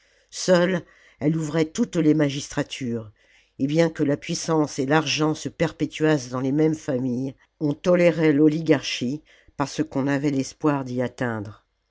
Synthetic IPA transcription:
sœl | ɛluvʁɛt̪ut̪lemaʒist̪χat̪ʰyːʁ | ebjɛ̃kəlapɥisɑ̃selaʁʒɑ̃səpɛʁpet̪ɥasd̪ɑ̃lemɛmfamij | ɔ̃t̪ɔleʁɛlɔliɡaʁʃi | paʁsəkɔ̃navɛlɛspwaʁd̪iat̪ɛ̃d̪ʁ

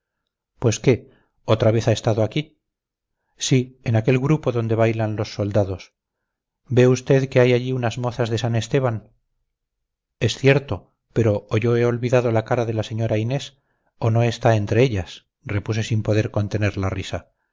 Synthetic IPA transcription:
pwe̞ske̞ | o̞t̪ɾaβe̞θae̞st̪aðoaki | sienake̞lɣɾupo̞ðo̞nd̪e̞βajlanlo̞sːo̞ld̪aðo̞s | be̞ust̪e̞ðke̞ajaʎiunazmo̞θazðe̞sane̞st̪e̞βan | e̞sθje̞ɾt̪o̞ | pe̞ɾo̞ːʝo̞e̞o̞lβiðað̞o̞lakaɾaðe̞lase̞ɲo̞ɾaine̞s | o̞no̞e̞st̪aent̪ɾe̞eʎas | re̞pus̬e̞simpo̞ðe̞ɾko̞nt̪e̞ne̞ɾlarisa

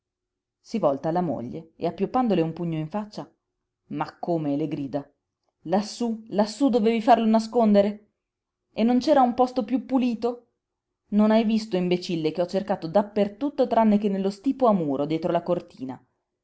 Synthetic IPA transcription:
sivɔlt̪alamo̰ʎːḛḛapːjopːand̪oleumpuɲːoiɱfat͡ʃːa | makʰːoːmeleɡɾiːd̪a | lasːulasːud̪oveːvifarlonas̬kond̪eɾe | enːont͡ʃɛːɾaumpɔst̪opjupːuliːt̪o | nonajvist̪oimbet͡ʃilːekeɔt͡ʃːerkaːt̪od̪apːert̪ut̪ːot̪ɾanːekenːelːost̪iːpoamuːɾʔod̪jɛːt̪ɾolakort̪iːna̰

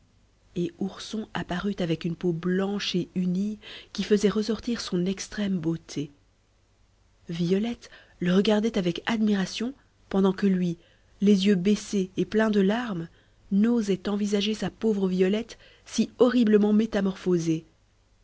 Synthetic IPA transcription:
euʁsɔ̃apaʁyt̪avɛkynpoblɑ̃ʃeynikʲifəzɛʁəsɔʁt̪iʁsɔ̃nɛkst̪χɛmbot̪ʰe | viɔlɛt̪ | ləʁəɡaʁd̪ɛt̪avɛkad̪miʁasjɔ̃ | pɑ̃d̪ɑ̃kəlɥi | lezjøbeseːplɛ̃d̪əlaʁm | nozɛt̪ɑ̃vizaʒesapovʁəvijɔlɛt̪ | siɔʁibləmɑ̃met̪amɔʁfoze

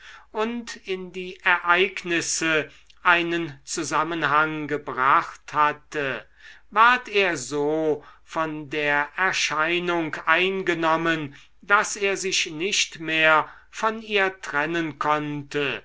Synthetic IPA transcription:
ʔʊntɪndiːʔɛɐʔaɪknɪsə | ʔaɪnənt͡suzamənɦaŋɡəbʁaχthatʰə | vaɐteːɐzoː | fɔndeːɐʔɛɐʃaɪnʊŋkʔaɪnɡənɔmən | daseːɐzɪʃnɪʃtmeːɐ | fɔniːɐtʁ̥ɛnənkʰɔntə

